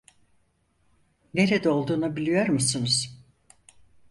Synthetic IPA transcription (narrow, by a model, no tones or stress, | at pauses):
ne̞ɾed̪ɛo̞lˠd̪uːnubilʲijo̞ɾmusunuz̥